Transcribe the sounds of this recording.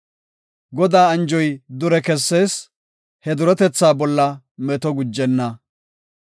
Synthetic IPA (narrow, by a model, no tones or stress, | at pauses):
ɡɔd̪aːɐnd͡ʒɔjd̪ʊɾɛkɛsːe̞ːs | hɛd̪ʊɾɛt̪ɛt͡sːaːbɔlːɐ | mɛt̪ɔɡʊd͡ʒːɛnːɐ